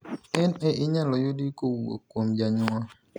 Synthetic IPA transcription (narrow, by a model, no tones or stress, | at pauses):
eneʔiɲalɔjodikowuo̰kʷomd͡ʒaɲʊŋa